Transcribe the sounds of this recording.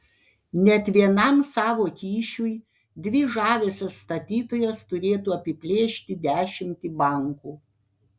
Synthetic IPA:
nʲɛt̪ʲʋʲiɛnɐmsɑːʋoːkʲiːʃʲʊj | d̪ʲʋʲɪʒɑːʋʲoːsʲɛsːt̪ɐt̪ʲiːt̪oːjɛst̪ʊɾʲeːt̪uːɐpʲɪpʲlʲeːʃʲt̪ʲɪd̪ʲæːʃʲɪmʲt̪ʲibɐˑŋkuː

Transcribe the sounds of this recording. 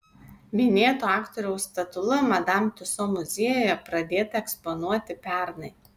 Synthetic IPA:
mʲɪnʲeːt̪oːɑːkt̪ɔɾʲɛʊst̪ɐt̪ʊlˠɐmɐd̪ɐmʲt̪ʲʊsoːmʊzʲeːjojɛpɾɐd̪ʲeːt̪ɐɛkspɔnuɔt̪ʲɪpʲɛˑɾnɐɪ

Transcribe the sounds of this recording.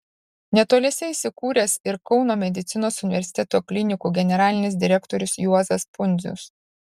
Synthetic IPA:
nʲɛt̪oːlʲɛsʲɛisʲɪkuːɾʲeːsɪɾkɒʊnoːmʲɛd̪ʲɪt̪sʲɪnoːsʊnʲɪʋʲɛɾʲsʲɪ̥t̪ʲɛt̪oːklʲɪnʲɪkuːɡʲɛnʲɛɾɑːlʲɪnʲɪs̬d̪ʲɪɾʲɛkt̪oːɾʲʊsjuɔzɐspʊnʲzʲʊ̰s

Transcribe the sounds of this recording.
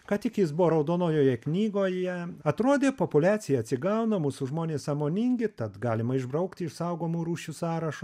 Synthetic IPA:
kɐt̪ʲɪkjɪsbʊʋoːɾɐʊd̪oːnoːjoːjɛknʲiːɡoːjɛɐt̪ɾoːd̪ʲeːpopʊlʲæːsʲɪjɛɐt̪ʲsʲɪɡɐʊnɐmuːsʊʒmoːnʲeːssɐmoːnʲɪŋʲɡʲɪt̪ɐt̪ɡɑːlʲɪmɐɪʒbɾɐʊkt̪ʲɪʃsɐʊɡoːmuːɾuːʃʲusɑːɾɐʃʊ

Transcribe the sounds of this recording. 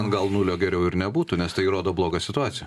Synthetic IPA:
nɡɐlˠnuːlʲoːɡʲɛɾʲɛʊɪɾnʲɛbuːt̪ʊnʲɛst̪ɐɪiɾoːd̪oːblˠoːɡɑːsʲɪt̪ʊɑːt̪sʲɪjɛ

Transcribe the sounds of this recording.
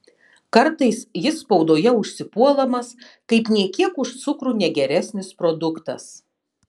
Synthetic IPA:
kɐɾt̪ɐɪsjɪsːpɒʊd̪oːjɛʊʃʲsʲɪpuɔlˠɐmɐs | kɐɪpnʲɛɪkʲiɛkʊʃt̪sʊkɾuːnʲɛɡʲɛɾʲæsʲnʲɪspɾod̪ʊkt̪ɐ̰s

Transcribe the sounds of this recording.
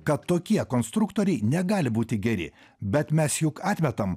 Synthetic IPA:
kɐt̪ːoːkʲiɛkoːnst̪ɾʊkt̪oɔːɾʲɛɪnʲɛɡɑːlʲɪbuːt̪ʲɪɡʲɛɾʲɪ̰ | bʲɛt̪mʲɛsjʊkɑːt̪ʲmʲɛt̪ɐm

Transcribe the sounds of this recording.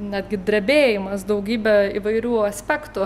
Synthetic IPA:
nʲɛd̪ʲɡʲɪd̪ʲɾʲɛbʲeːjɪmɐsd̪ɐʊɡʲiːbʲɛiʋɐɪɾʲuːɐsʲpʲɛkt̪ʊ

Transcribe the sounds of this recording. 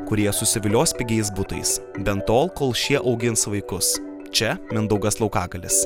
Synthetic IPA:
kʊɾʲiɛɛsʊsʲɪʋʲɪlʲoːsʲpʲɪɡʲɛɪs̬bʊt̪ɐ̰ɪsbʲɛnt̪oːlˠkoːlˠʃʲiɛʔɐʊɡʲɪnsʋɐɪkʊs | t͡ʃʲɛmʲɪnd̪ɐʊɡɐslˠɐʊkɑːɡɐlʲɪs

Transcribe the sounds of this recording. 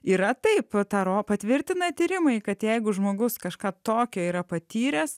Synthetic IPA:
iːɾɐt̪ɐɪpt̪ɑːɾoːpɐt̪ʲʋʲɪɾʲt̪ʲɪnɐt̪ʲiːɾʲɪmɐɪkɐt̪jɛɪɡʊʒmoːɡʊskɐʃkɑːt̪oːkʲoːiːɾɐpɐt̪ʲiːɾʲeːss

